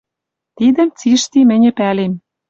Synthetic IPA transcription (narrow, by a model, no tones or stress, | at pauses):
t̪id̪ə̆mt͡siʃt̪imɘ̆nʲɘ̆pælem